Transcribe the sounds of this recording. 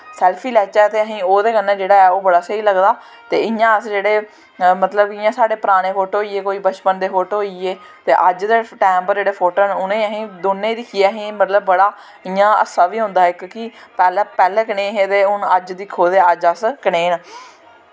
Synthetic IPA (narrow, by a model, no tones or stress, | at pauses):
sɛːlpʰiːlɛːt͡ʃɛːt̪eːəɦĩːoːd̪eːkənːẽːd͡ʒeːɽaːɛːoːbəɽaːsəiːləɡd̪aː | t̪ḛːɪjãːəsd͡ʒeːɽeː | mət̪ləbɪjãːsaːɽeːpɾaːɽ̃eːfʰoːʈɦoːiːeːkoːiːbət͡ʃpənd̪eːfoːʈɦoːieː | t̪ḛːʔəd͡ʒd̪eːʈɛːmpəɾd͡ʒeːɽeːpʰoːʈoːnʊnẽːəɦĩːd̪oːnẽːid̪ɪkʰieːəɦĩːmət̪ləbːəɽaː | ɪjãːə̰saːʋiːɦʊ̃nd̪aːɪkkɪpɛːlɛːpɛːlɛːkəɳẽːɦeːt̪eːʊnəd͡ʒd̪iːkʰoːd̪eːəd͡ʒəskəɳeːn